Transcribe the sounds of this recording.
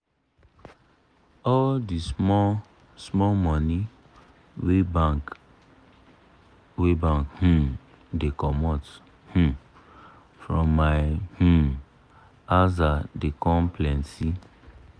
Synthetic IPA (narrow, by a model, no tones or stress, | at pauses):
ɔldi | smɔmɔni | web | webãŋkhũ | dekɔmɔt | hũ | fɹɔ̃mːaɪhũ | azadekɔ̃mplɛ̃nsi